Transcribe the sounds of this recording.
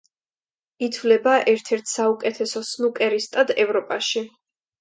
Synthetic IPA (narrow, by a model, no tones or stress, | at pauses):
it̪ʰvlɛbaʔɛɾt̪ʰɛɾt̪ʰsaukʼɛt̪ʰɛsɔsnukʼɛɾist̪ʼad̪ɛvɾɔpʼaʃi